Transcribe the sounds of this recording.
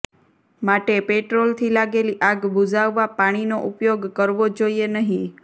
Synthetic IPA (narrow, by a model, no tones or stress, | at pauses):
maʈepeʈɾolt̪ʰilaɡeliʔaɡbud͡ʒaʋːapaɽ̃inoʔupjoɡkəɾʋod͡ʒoienəɦĩ